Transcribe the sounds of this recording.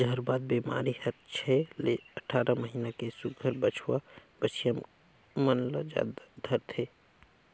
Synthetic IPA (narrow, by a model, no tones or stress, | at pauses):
d͡ʒəɦəɾbaːd̪̚bima̰ːɾihəɾt͡ʃʰɛleəʈʰaːɾaməɦiːnakesʊɡʱəɾbət͡ʃʰwabət͡ʃʰijəm | mənləd͡ʒa̰d̪d̪ʱəɾt̪ʰe